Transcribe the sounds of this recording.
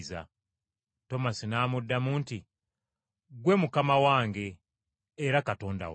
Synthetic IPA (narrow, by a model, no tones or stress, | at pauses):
za̰ | to̞masinaːmudːamuːnti | ɡwe̞mukamawaːŋɡe̞ː | ɾakato̞ːnda̰w